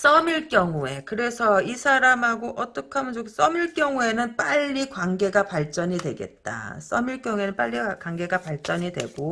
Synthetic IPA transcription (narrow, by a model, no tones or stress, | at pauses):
s͈ʌmiɭk͈jʌŋue̞kɯɾe̞sʰʌisʰaɾamɦaɡoʔʌt͈ʌkʰamɯnd͡ʑokʰs͈ʌmiɭk͈jʌŋue̞nɯnp͈aʎːikwanɡe̞ɡapaɭt͡ɕ͈ʌɲidwe̞ɡe̞̰t̚t͈a̰s͈ʌmiɭk͈jʌŋue̞nɯnp͈aʎːikwaŋɡe̞ɡapaɭt͡ɕ͈ʌɲidwe̞̰ɡ̥o